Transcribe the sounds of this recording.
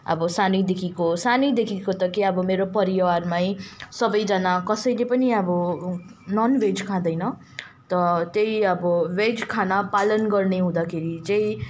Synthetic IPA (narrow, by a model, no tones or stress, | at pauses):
ʌ̰bʌsanid̪ekʰikosanid̪ekʰikot̪ʌkeʌbʌmeɾopʌɾiwarmajsʌbʌjd͡zʌnakʌsʌjlepʌniʌbʌ | nʌnwed͡zkʰãd̪ʌjnʌ | t̪ʌt̪ejʌbʌwed͡zkʰanapalʌnɡʌrneɦũd̪akʰeɾid͡zẽj